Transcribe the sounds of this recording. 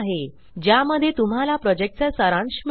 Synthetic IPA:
ɦe | d͡ʑjaməd̪ʱjet̪um̤alapɾɔd͡ʑek̚ʈ̚t͡sasəɾãɳɕm

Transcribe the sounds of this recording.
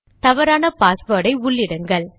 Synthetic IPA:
t̪ɐʋɐɾaːnɐpaːsʋɐːɽɐɪʊɭːɪɽɯŋɡɐɭ

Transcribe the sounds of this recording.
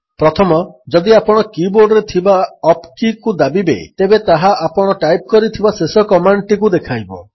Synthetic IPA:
pɾɔt̪ʰɔmɔd͡ʒɔd̪iapɔɽ̃ɔkiboɾɖɾet̪ʰibaɔpkikud̪abibḛt̪ebet̪aɦaʔapɔɽ̃ɔʈajp̚kɔɾit̪ʰibasesɔkɔmaɳʈikud̪ekʰajbɔ̰

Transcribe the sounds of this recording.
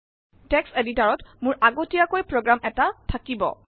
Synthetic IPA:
tɛkseditaɹɔtmʊɹʔaɡotijakojpɹoɡɹamʔɛtatʰakibɔ̰

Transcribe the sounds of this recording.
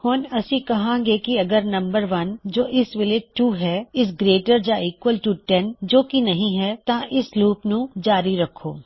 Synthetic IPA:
hʊːnɐsĩkɐɦãːɡekiɐɡəɾnɐ̃mbəɾʋɐnd͡ʒoːʔɪsʋɪleːd͡ʒʈuːɦɛːɪs̬ɡɾeːʈəɾd͡ʒaiːkʋəlʈuːʈɛnd͡ʒoːkinɐɦĩɦɛːt̪ãʔɪsluːpnũd͡ʒaːɾiɾɐkʰo̰ː

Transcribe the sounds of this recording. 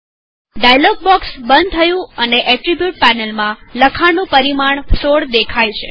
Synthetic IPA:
ɖajlɔɡ̚bɔksbənd̪̚t̪ʰəjũəneʔɛʈɾibjuʈ̚pænelmãləkʰanũpəɾimaɳsoɽd̪ekʰajt͡ʃʰḛ

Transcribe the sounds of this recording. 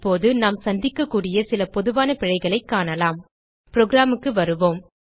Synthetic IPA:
pːoːðɯnaːmsɐnd̪ɪkːɐkːuːɽɪjɐsɪlɐpɔðɯʋaːnɐpɪɻɐɪɣɐɭɐɪkːaːnɐlaːm | pɪɾoːɡɾaːmɯkːɯʋɐɾɯʋoːm

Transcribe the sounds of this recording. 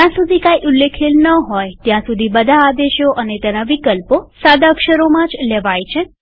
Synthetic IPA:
t̪jãsud̪ʱikaiʔulːekʰilnəɦɔjt̪jãsud̪ʱibəd̪ʱaːd̪eʃjoʔənet̪jenaʋikəlposad̪ʱakʃəɾomãd͡ʒlɛʋajt͡ʃʰe

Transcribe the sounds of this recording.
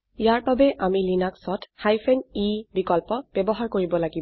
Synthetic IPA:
ijaɹbabɛʔamilinaksɔthajpʰɛnibikɔlpɔb̥ɛbɔɦaɹkoɹibɔlaɡib

